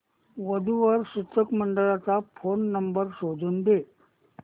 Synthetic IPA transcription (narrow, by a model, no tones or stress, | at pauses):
ʋəd̪ʱuʋəɾɕut̪ʰəkməɳɖəɭat͡safonːəmbəɾɕod͡zuːnd̪e